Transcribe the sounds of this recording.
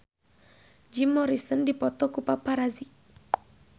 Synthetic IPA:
d͡ʒimːɔɾisəndipɔt̪ɔkupapaɾazi

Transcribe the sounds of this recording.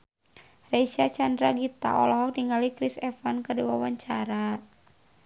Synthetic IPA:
rejʃat͡ʃandɾaɡit̪a̰ɔlɔɦɔk̚niŋalikɾisɛfankərdiwawaɲt͡ʃaɾa

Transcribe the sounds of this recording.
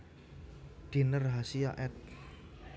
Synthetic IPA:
d̪̥inərɦasiaʔɛt̪̚

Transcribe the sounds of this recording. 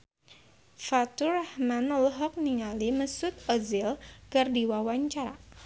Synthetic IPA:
fat̪urahmanəlɦɔk̚niŋaliməsʊt̪̚ɔzilkərdiwawaɲt͡ʃaɾa̰

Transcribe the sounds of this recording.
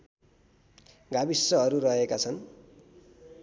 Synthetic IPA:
ɡabisːʌɦʌɾuɾʌɦekat͡sʰʌn

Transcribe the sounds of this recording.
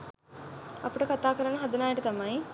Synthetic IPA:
ɐpuʈɐkɐt̪aːkɐɾɐɳɐɦɐd̪ɐnaːjɐʈit̪ɐmaːi

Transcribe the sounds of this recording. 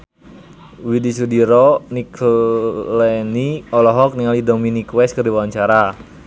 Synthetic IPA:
widisudiɾɔnik | lɛniɔlɔɦɔk̚niŋalidɔminikwɛskərdiwawaɲt͡ʃaɾa

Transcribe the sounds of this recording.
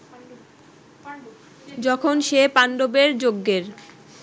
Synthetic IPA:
d͡ʑɔkʰonʃepanɖobeɾd͡ʑoɡːeɾ

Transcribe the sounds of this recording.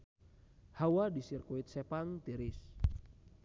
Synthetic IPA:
hawadisirkuit̪̚sɛpaŋt̪iɾɪs

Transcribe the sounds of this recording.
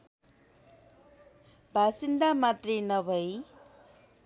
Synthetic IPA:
bʱasind̪amat̪renʌbʱʌj

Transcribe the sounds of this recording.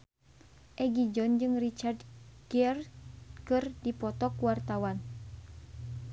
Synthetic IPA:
ʔɛɡid͡ʒɔnd͡ʒɨŋrit͡ʃardɡiɛrkɨrdipɔt̪ɔkuwart̪awan

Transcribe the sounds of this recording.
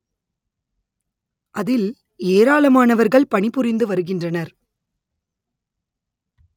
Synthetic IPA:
ʔɐðɪl | eːɾaːɭɐmaːnɐʋɐɾɣɐɭpɐɳɪpɯrɪnd̪ɯʋɐɾɯɣɪndrɐnɐɾ

